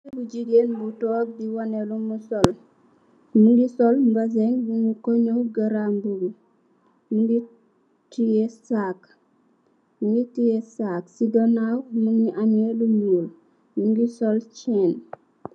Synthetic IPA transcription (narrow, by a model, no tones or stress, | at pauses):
buɟiɡeːnbutɔːb̚diwanelumusol | muŋɡisɔlmbazeŋbuɲukoɲowɡaɾambuɡu | muŋɡi | tijesak | muŋɡitijesaksidonawmuŋiʔanelumuːl | muŋɡisolt͡ʃɛn